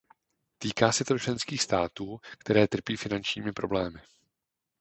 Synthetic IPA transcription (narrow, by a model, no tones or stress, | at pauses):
t̪iːkaːsɛt̪ot͡ʃlɛnskiːxst̪aːt̪uːkt̪ɛɾɛːt̪r̩piːfɪnant͡ʃɲiːmɪpɾo̞blɛːmɪ